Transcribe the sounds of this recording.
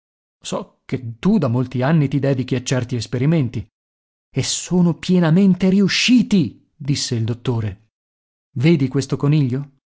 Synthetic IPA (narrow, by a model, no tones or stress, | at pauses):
sɔ | k̟et̪ːud̪amːolt̪ianːit̪id̪ɛːd̪ik̟iat͡ʃːɛrt̪iespeɾiment̪i | esoːnopjenament̪eɾiuʃːiːt̪i | d̪isːeild̪ot̪ːoːɾe | veːd̪ikwest̪okoniʎːo